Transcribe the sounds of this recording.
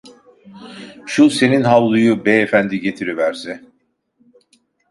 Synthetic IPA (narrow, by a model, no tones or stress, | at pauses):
ʃuse̞ninɦavlˠujubeefænd̪iɟe̞t̪ʰiɾivæɾsɛ